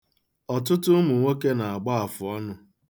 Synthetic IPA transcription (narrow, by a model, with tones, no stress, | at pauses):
ɔ˨t̬ʊ˦tʊ˦mʊ˨ŋʷe˦ke˦na˨a˨ɡ͡ba˦a˨fʊ˨ɔ˦nʊ˦